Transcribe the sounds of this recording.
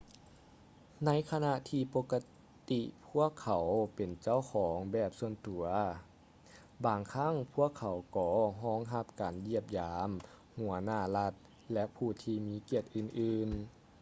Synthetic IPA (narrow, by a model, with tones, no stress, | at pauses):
na˧˥jkʰa˧na˧t̪ʰiː˧˩po˧kːa˧ | t̪i˧pʰu˥˩əkʰːa˨˩˦wpe˨˩nt͡ɕa˧˥˩wkʰɔː˨˦ŋbɛː˧˩p̚su˧ənt̪u˨˩˦ɐ | baː˨˩ŋkʰa˧˥˨ŋpʰu˧˥˩əkʰːa˨˩˦wkɔː˩˦ɦɔː˧˥˨ŋɦa˧p̚kaː˨˩nji˧˩əp̚jaː˨˦m | hu˨˩˦ɐnaː˧˩la˧t̪̚ | lɛ˧˥ʔpʰuː˧˩t̪ʰiː˧miː˨˧˥ki˧˩ət̪̚ʔɯː˧˩nʔɯː˧n